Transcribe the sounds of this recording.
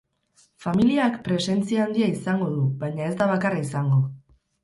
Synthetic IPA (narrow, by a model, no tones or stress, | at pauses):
familiakpɾe̞se̞nt͡siaaːnd̪iaisaŋɡo̞ð̞uβajɲae̞zd̪aβ̞akaraisaŋɡo̞